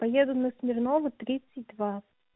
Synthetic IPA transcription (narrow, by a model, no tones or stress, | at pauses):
pɐjed̪ʊnəsmʲɪrnovɨt̪ɾʲit̪sɨtʲd̪va